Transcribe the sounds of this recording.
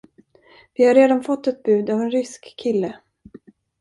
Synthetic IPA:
vɪhaɾeːd̪anfɔt̪ːɛt̪̚bʉ̟ːd̪avɛnɾʏskʰːɪlːə

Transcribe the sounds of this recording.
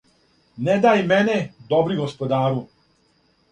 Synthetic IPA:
ned̪ajmɛned̪obɾiɡospod̪aːɾu

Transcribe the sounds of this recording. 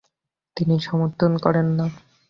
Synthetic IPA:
t̪iniʃɔmoɾt̪ʰːonkɔɾenːa

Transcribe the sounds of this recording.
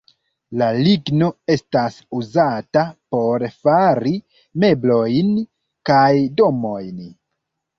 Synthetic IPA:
laliɡno̞e̞stasuzatapo̞ɾfaɾi | me̞blo̞jn | kajdo̞mo̞jn

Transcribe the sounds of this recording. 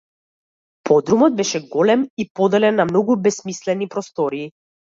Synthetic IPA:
pʰɔd̪ɾumɔd̪̚bɛʃɛɡɔlɛmipɔd̪ɛlɛnːamnɔɡubɛsmislɛnipɾɔst̪ɔɾiː

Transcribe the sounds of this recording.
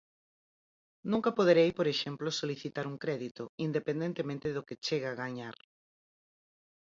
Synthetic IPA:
nũŋkɐpoð̞eɾejpoɾeʃemplosoliθit̪aɾuŋkɾɛðit̪oind̪epend̪ent̪emẽnt̪ɪðoket͡ʃeɣaɣaɲaɾ

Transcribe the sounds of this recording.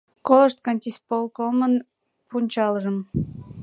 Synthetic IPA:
koləʃt̪̚kɑnʲt̪ʲispolˠkomən | punʲt͡ɕɑləʒəm

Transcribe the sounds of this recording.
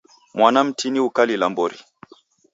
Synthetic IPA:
mwanam̩tʰiniukalilambɔɾḭ

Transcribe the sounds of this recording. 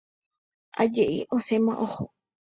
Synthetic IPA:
a̰d͡ʒeʔiʔosemãʔoho

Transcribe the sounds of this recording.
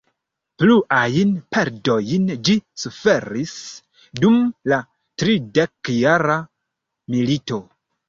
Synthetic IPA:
pluʔajnpe̞ɾdo̞jnd͡ʒisufe̞ɾis | dumla | tɾide̞kjaɾa | milito̞

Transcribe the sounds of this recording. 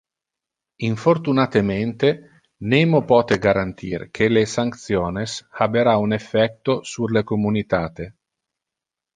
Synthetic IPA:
iɱfort̪unat̪ement̪e | nemopɔːt̪eɡaɾant̪ʰḭːrkʰelesaŋkt̪sjɔːneshabeɾaunefːɛk̚t̪osurlekomunit̪aːt̪e

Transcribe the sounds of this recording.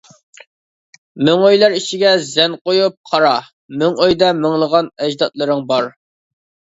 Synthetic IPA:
mɪŋøjlˠɑɾiʃiɡʲɛzɛnqojup̚qʰɑɾɑ | mɪŋøjd̪ɛmɪŋlˠəʁɑnɛd͡ʒd̪ɑt̪̚lˠɨɾɨŋbɑɾ

